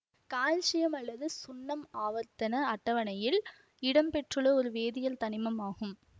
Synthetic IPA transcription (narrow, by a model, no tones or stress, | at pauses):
kaːlt͡ʃɪjɐmɐlːɐðɯsʊnːɐmaːʋɐɾt̪ɐnɐɐʈːɐʋɐnɐjɪl | ɪɽɐmpɛʈrɯɭɐɔɾɯʋeːðɪjɐlt̪ɐnɪmɐmaːɣɯm